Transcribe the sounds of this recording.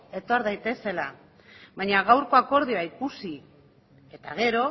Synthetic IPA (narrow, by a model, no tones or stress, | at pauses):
e̞t̪o̞ɾðajt̪e̞se̞la | βaɲaɣ̞awɾko̞ako̞ɾð̞ioaikusi | e̞t̪aɣ̞e̞ɾo̞